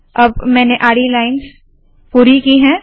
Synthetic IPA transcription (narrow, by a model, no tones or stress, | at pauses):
ɐbmɛ̃ːneʔaːɽilaːɪns | puːɾikiɦɛ̃ː